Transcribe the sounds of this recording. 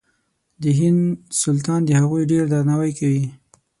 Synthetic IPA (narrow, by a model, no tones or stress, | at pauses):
d̪əɦɪnd̪sʊlt̪ɑnd̪əhaɣujɖeɾd̪aɾnawajkawi